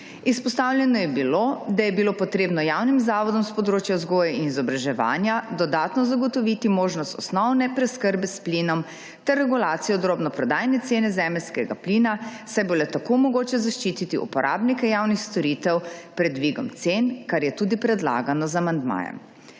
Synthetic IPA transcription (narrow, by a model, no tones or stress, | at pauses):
ispɔst̪awljɛnɔjɛbilod̪ajɛbilopɔt̪ɾeːbnɔjawnimzaːʋɔd̪ɔmspɔd̪ɾoːt͡ʃjauzɡoːjɛinizɔbɾaʒɛʋa̰ːnjad̪ɔd̪aːt̪nɔzaɡɔt̪ɔʋit̪imoːʒnɔst̪ɔsnɔwnɛpɾɛskəɾbɛspliːnɔm | t̪ɛɾːɛɡulaːt̪sijɔd̪ɾoːbnɔpɾɔd̪aːjnɛt̪seːnɛzɛːmɛlskɛɡa̰pliːnasajbolɛt̪akomɔɡoːt͡ʃɛzaʃt͡ʃiːt̪it̪iṵpɔɾʔa̰ːbnikɛjawnixst̪ɔɾiːt̪ɛwpɾɛd̪ʋiɡɔ̰mt̪senkaɾjɛt̪uːd̪ipɾɛd̪la̰ːɡanɔzamand̪ma̰ːjɛ̰m